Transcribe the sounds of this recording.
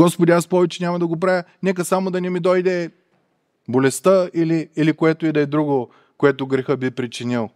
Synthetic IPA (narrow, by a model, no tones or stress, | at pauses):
ɡɔspod̪ʲiaspɔvɛt͡ʃɛnʲamɐd̪ɐɡop̬ɾajʲənɛk̬əsamod̪ɐnɛmid̪ɔjd̪ɛ | bolɛst̪əiliːlikoɛt̪oid̪ɐɛd̪ɾuɡo | koɛt̪oɡɾɛxəbipɾit͡ʃinilˠ